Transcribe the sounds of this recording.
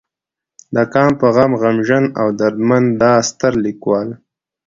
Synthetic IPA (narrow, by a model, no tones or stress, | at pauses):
d̪əkɑːmpəɣamɣamʒanawd̪aɾd̪mand̪ɑːst̪əɾlikwɑːl